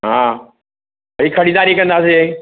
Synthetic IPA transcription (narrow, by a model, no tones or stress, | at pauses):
ɦãː | ʋɐɾiːkʰɐɽid̪aːɾikɐ̃nd̪aːs̬e